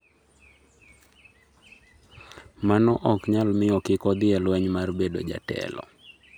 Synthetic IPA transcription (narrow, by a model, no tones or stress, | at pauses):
manɔʔɔkɲalmɪɔkɪkɔd̪ɪɛlwɛɲmarbedo̰d͡ʒa̰tɛ̰lɔ̰